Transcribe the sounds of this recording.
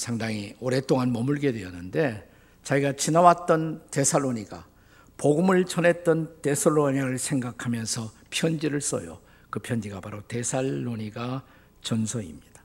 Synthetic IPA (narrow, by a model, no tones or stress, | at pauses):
sʰaŋdaŋioɾe̞t͈oŋanmʌmuɭɡe̞dwe̞ʌnːɯnde̞ | t͡ɕaiɡat͡ɕinawat͈ʌnte̞sʰaɭːoɲiɡa̰ | poɡumɯɭt͡ɕʌne̞t̚t͈ʌnte̞sʰaɭːoɲaɾɯɭsʰe̞ŋɡakʰamjʌnsʰʌ | pʰjʌnd͡ʑiɾɯɭs͈ʌ̰jo̰ | kɯpʰjʌnd͡ʑiɡapaɾote̞sʰaɭːoɲiɡa | t͡ɕʌnsʰʌḭmɲid̥ḁ